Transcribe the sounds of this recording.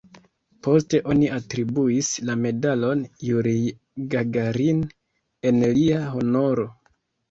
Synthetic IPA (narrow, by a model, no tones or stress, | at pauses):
po̞ste̞ʔo̞niʔatɾibuislame̞dalo̞njuɾi | ɡaɡaɾin | e̞nliaɦo̞no̞ɾo̞